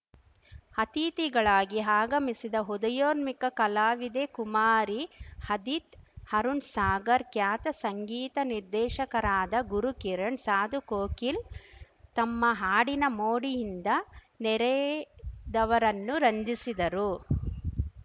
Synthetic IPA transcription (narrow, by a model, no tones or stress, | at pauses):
hɐt̪iːt̪iɡɐɭaːɡiɦaːɡɐmisid̪ɐɦud̪ɐjoːɾmikɐkɐlaːʋid̪eːkumaːɾihɐd̪it̪hɐɾuɳsaːɡɐɾkjaːt̪ɐsɐŋɡiːt̪ɐniɾd̪ɛːʃɐkɐɾaːd̪ɐɡuɾukiɾɐɳsaːd̪ukoːkil | t̪ɐmːɐɦaːɽinɐmoːɽijind̪ɐ | nɛɾɛ | d̪ɐʋɐɾɐnːuɾɐɲd͡ʒisid̪ɐɾu